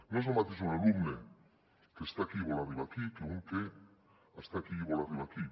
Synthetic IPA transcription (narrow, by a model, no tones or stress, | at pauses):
nosemat̪isuneɣumne | t̪est̪akiβolariβak̪ikeɣuŋke | ast̪akiβolariβak̪i